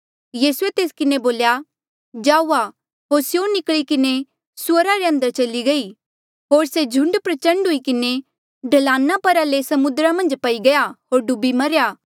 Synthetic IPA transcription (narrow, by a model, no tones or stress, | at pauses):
jiːsuet̪eːskɪneboːlja | d͡ʒaːuːa | ɦoːɾsjonɪkɭikɪne | swəɾaɾeɐ̃nd̪əɾt͡ʃɐliɡɐi | ɦoːɾsed͡ʒʱʊ̃ɳɖpɾɐt͡ʃɐ̃ɳɖɦʊikɪne | ɖʱɐlãːnːapɐɾalesɐmʊd̪ɾamɐ̃nd͡ʒpɐiɡɐjaɦoːɾɖʊbimɐɾjaː